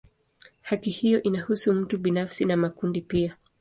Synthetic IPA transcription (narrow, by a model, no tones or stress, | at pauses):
hakihijɔʔinahusum̩tuɓinafsinamakundipia